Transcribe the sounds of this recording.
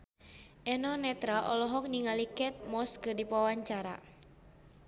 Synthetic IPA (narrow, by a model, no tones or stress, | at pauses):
ʔɛnɔnɛt̪ɾaʔɔ̰lɔɦɔk̚niŋalikɛt̪̚mɔskɨdipawaɲt͡ʃaɾa̰